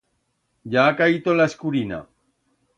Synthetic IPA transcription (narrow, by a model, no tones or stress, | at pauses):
jaːkajt̪olaeskuɾina̰